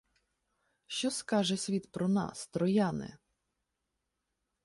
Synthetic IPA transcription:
ʃt͡ʃɔskɑʒɛsʲʋʲit̪pɾɔnɑ̰st̪ɾɔjɑnɪ̰

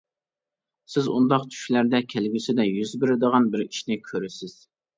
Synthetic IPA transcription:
sɪzṵnd̪ɑqt̪ʰy̥ʃlæɾd̪ɛkʲʰælɡʲysɪd̪ɛjyzbɪɾɪd̪əʁɑnbɪɾiʃnɪkʲʰøɾɪsɪz̥

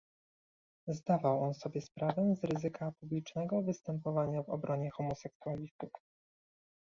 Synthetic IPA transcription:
zd̪avawɔnsɔbʲjɛspɾavɛzɾɘzɘkapublʲit͡ʂnɛɡɔvɘst̪ɛmpɔvaɲavɔ̰bɾʔɔɲɛxɔmɔsɛksualʲist̪uf

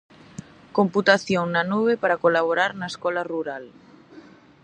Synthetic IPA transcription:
komput̪aθjoŋnanuβepaɾakolaβ̞oɾaɾnaeskɔlaruɾal

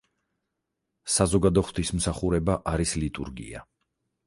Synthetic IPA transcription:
sazɔɡad̪ɔχt̪ʰism̩saχuɾɛbaʔaɾislit̪ʼṵɾɡḭa

